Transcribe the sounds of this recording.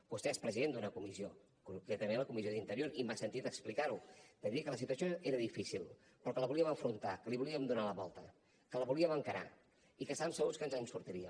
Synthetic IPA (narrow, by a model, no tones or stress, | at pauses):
b̥ust̪eespɾəziðend̪unəkumizio | kuŋkɾɛt̪əmẽnləkumizioðint̪əɾjoɾimasənt̪it̪əksplikaɾud̪əðiəkələs̬it̪uəsioeɾəðifisilˠ | pɾɔkələβuliəməɱfɾunt̪akəliβuliəmd̪unaləβɔlˠt̪ə | kələβuliəməŋkəɾa̰ | ikəst̪aβəmsəɣuskənzənsuɾt̪iɾiə